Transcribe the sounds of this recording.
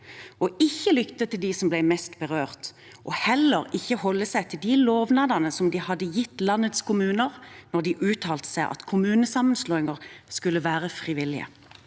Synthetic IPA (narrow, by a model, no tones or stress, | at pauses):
ʔɔɪçːəlʏkt̪ət̪ʰːɪld̪isɔmblæɪmɛst̪bəʁøːʁt̪ | ʔɔhɛlːəʁɪçːəhɔlːəsæɪt̪ʰɪld̪iloːʋnɑd̪ɑnəsɔmd̪iːhɑd̪əjɪt̪ːlɑnət̪skʰʊmʉːnəʁnɔʁd̪iːʔʉːt̪ʰɑːlt̪ə̥sæɪʔɑ̰t̪kʰʊmʉːnəsɑmːənsloːɪŋəʁskʉləʋæːʁəfʁɪʋɪlɪə̰